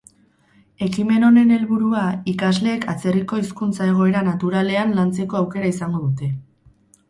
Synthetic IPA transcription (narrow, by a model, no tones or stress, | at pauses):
e̞kime̞no̞ne̞ne̞lβuɾuaikazle̞ːkat͡se̞riko̞iskunt͡sae̞ɣ̞o̞e̞ɾanat̪uɾale̞anlant͡se̞ko̞awke̞ɾaisaŋɡo̞ðut̪e̞